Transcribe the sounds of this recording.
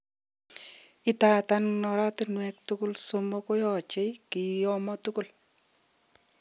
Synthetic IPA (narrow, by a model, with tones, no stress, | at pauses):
ɪta˨ta˦nnɔ˨ɾa˦tɪ˦nwɛ˨k̚tu˦ku˦lsomo˦ko˦jɔ˨t͡ʃe˦kɪ˨jɔ˦mɔ˦tu˦ku˦l